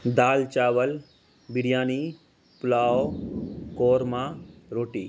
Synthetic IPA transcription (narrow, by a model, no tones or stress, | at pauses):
d̪aːlt͡ʃaːʋəl | biɽijaːni | pʊlaːokoːɾmãːɾoːʈiː